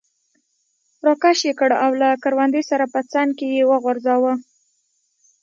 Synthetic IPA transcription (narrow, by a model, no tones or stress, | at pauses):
ɾokaʃjekəɽawlakaɾwand̪esaɾapət͡sɑnkejewəɣaɾzɑwə